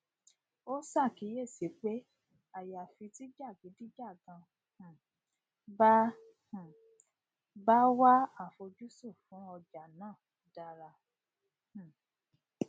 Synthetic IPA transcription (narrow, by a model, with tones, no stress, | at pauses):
o˦sa˦˨ki˨˦je˦˨si˨˦k͡pe˦ | a˨ja˨fi˧ti˦d͡ʒa˦˨ki˨˦di˦d͡ʒa˦˨ɡã˧ | h̩˨ | ba˦ | h̩˨ | ba˦wa˦a˦˨fo˧d͡ʒu˦su˦˨fũ˨˦ɔ˧d͡ʒa˨nãː˦˨ | da˧ɾa˧ | h̩˨